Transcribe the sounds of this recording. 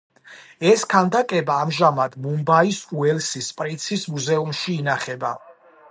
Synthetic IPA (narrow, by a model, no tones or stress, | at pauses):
ɛskʰand̪akʼɛbaːmʒamad̪mumbaisuɛlsispʼɾit̪sʰismuzɛumʃiːnaχɛba